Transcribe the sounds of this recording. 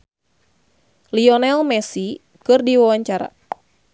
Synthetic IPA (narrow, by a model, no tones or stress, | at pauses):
liɔnɛlmɛsi | kɨrdiwawaɲt͡ʃaɾa̰